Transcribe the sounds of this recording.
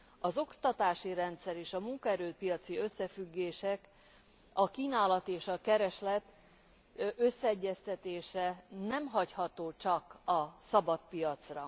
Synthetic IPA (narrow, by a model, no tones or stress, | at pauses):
ɒzo̞kt̪ɒt̪aːʃiɾɛnt̪sɛɾeːʃɒmuŋkɒɛɾøːt̪̚pijɒt̪siø̞sːɛfyɡːeːʃɛk | ɒkiːnaːlɒt̪eːʃɒkɛɾɛʃlɛt̪ | ʔø̞sːɛɛɟːɛst̪ɛt̪eːʃɛnɛmɦɒchɒt̪oːt͡ʃɒkɒsɒbɒt̪̚pijɒt̪srɒ